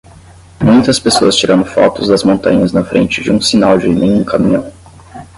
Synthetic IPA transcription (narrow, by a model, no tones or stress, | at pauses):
mũj̃t̪ɐspesoɐst͡ʃiɾɐ̃nd̪ʊfɔ̰t̪ʊzd̪ɐzmõnt̪ɐ̰̃ɲɐznɐfɾḛ̃nt͡ʃɪd͡ʒɪũsinawd͡ʒɪnẽj̃ũkamĩɲɐ̃w̃